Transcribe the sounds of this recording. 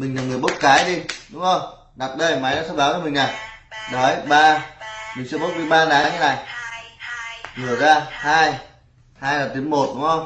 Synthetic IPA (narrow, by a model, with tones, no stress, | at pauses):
mï˨˩ŋ̟naː˨˩ŋɨ˨˩ɓə˦˥t̚kaː˨˦jɗi˧ɗʊ˨˦ŋ͡mo˧˩j | ɗa˨˩k̚ɗə˧jma˨˦jna˨˦sɛ˧ɓaː˨˦wkəː˧˦mï˨˩ŋ̟na˨˩jɗɔ˨˦jɓaː˧mi˨˩ŋ̟sɨ˧˨ɓə˦˥k͡p̚ɗi˧ɓaː˧ɗaː˨˦ɲa˧˦na̰ː˨˩j | ŋɨ˨˩əzaː˧haː˧j | haː˧jlaː˨˩t̪i˨˦mo˨˩t̚ɗʊ˨˦ŋ͡mhə˧wŋ͡m